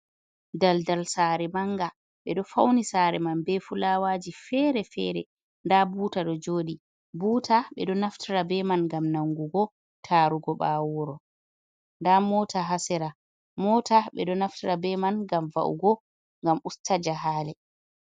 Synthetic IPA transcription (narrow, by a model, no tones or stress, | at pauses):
daldalsaɾɛmaŋɡa | ɓɛɗɔfa̰wnisaːɾɛ̰manbɛfulaːwaːd͡ʒifɛːɾɛfɛ̰ɾɛ̰ | ndabuːtaɗɔd͡ʒoːɗi | buːtʰaɓɛ̰ɗɔnaftʰiɾabɛmanŋɡamnaŋɡuɡɔ | tʰaːɾuɡɔɓawɔɾɔ | ndamɔːtaɦasɛɾa | mɔtaɓɛɗɔnaftiɾabɛmanɡamva̰ʔṵɡɔ | ŋɡamustʰad͡ʒaɦaːlɛ